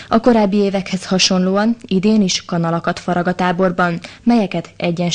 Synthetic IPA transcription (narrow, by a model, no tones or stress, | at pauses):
ɒko̞ɾaːbːieːvɛkhɛshɒʃo̞nloːɒnid̪eːniʃkɒnɒlɒkɒt̪fɒɾɒɡɒt̪aːbo̞rbɒnmɛjɛkɛt̪ɛɟːɛn